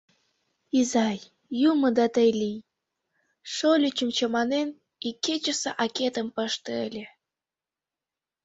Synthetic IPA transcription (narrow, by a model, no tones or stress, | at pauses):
izɑjː | umə̆d̪ɑt̪əjlʲij | ʃolʲyt͡ɕəmt͡ɕəmɑnen | ikːet͡ɕəseʔɑket̪əmpəʃt̪eəlʲe